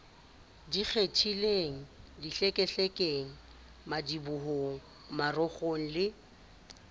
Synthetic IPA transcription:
dik͡xʰetʰileŋ̩diɬɛkʼɛɬɛkʼeŋ̩ | madibuɦoŋ̩ | marɔχoŋ̩lɪ

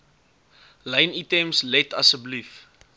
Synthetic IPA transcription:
lɐjnitɛmslɛtɐ̰səblif

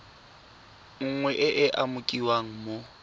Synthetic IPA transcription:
ŋ̩ŋwɛʔɪʔɪʔamʊkʼiwaŋ̩mo

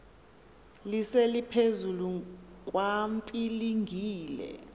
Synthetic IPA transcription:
liselipʰezuluk̬ʼwampʼiliŋʱiːlɛ̰

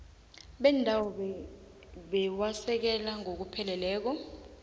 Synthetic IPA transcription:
ɓɛndʱawɔ | ɓɛwasɛk̬ɛlaŋʱok̬upʰɛlɛlɛːk̬ɔ

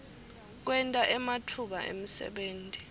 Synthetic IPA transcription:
k̬wɛntʼaʔɛmatʰuɓaʔḛm̩sɛ̰ɓeːntʼi̥

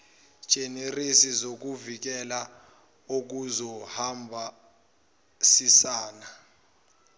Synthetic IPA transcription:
ʒ̥ʱenirisizok̬uvik̬ɛla | ok̬uzɔhambʱa | sisaːna

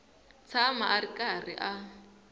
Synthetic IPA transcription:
t͡sʰamaʔarikʼarḭʔa

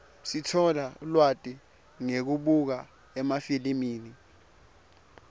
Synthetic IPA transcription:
sitʰɔlaulwatʼi | ŋek̬uɓuk̬a | ɛmafilimiːni

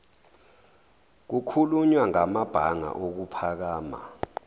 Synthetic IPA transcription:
k̬ukʰuluɲwaŋamab̥ʱaŋa̰ʔok̬upʰak̬aːma̰

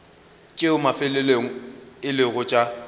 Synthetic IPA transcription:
t͡ʃʼeʊmafɪlɪleŋ̩ɪlɪɣʊt͡ʃʼa

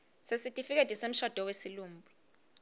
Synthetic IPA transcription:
sesitʼifik̬etʼisem̩ʃɔd̥ʱɔwesiluːm̩bʱi

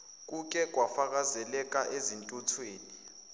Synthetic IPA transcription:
k̬ʼuk̬ʼɛk̬ʼwafak̬azɛlɛk̬ʼaʔezintʼutʰweːni

